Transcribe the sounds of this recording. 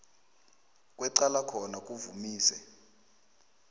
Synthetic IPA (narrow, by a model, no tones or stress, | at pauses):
k̬ʼwɛǀalakʰɔnak̬ʼuvumiːsɛ